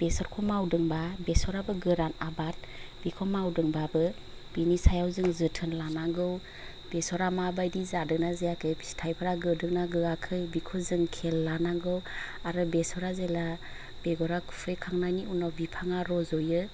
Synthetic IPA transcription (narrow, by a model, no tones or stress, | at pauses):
b̥esɔɾkʰɔmawdɯŋbabesɔɾabɯɡɯɾanabat̚b̥ikʰɔmawdɯŋbabɯ | b̥inisajawzɯŋzɯtʰɯnlanaɡɯw | besɔɾamabajdizadɯk̚nazejakʰɯbstʰajpʰaɾaɡɯdɯk̚naɡɯɡakʰɯjbikʰɔzɯŋkʰelːanaɡɯwaɾɯbesɔɾazela | beɡɔɾakʰu̥pʰɯjkʰaŋnajniunawbipʰaŋaɾɔzɔjɯ